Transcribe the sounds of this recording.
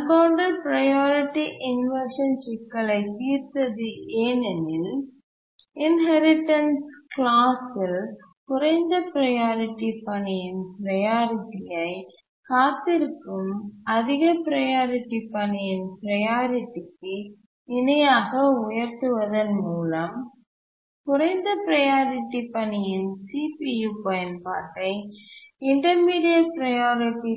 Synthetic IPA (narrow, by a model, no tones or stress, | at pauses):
ɐbaːɳɖɐɾpɪɾɐjaːɾɪʈːiʔɪnʋɐɾʂɐnʃɪkːɐɭɐɪt̪iːɾt̪ɐðɯeːnɛnɪl | ɪnɦɐɾɪʈːɐnsklaːsɪl | kʊɾɐɪnd̪ɐpɪɾɐjaːɾɪʈːipɐnɪjɪnpɪɾɐjaːɾɪʈːɪjɐɪ | kaːt̪ːɪɾɯkːɯmɐðɪɣɐpɪɾɐjaːɾɪʈːipːɐɳɪjɪnpɪɾɐjaːɾɪʈːɪkːɯ | ɪnɐjaːɣɐʊjɐɾt̪ɯʋɐðɐnmuːlɐm | kʊɾɐɪnd̪ɐpɪɾɐjaːɾɪʈːipɐɳɪjɪnsiːpijuːpɐjɐnpa̰ːʈːɐɪɪɳʈɐɾmiːɽɪjɐpɪɾɐjaːɾɪʈːi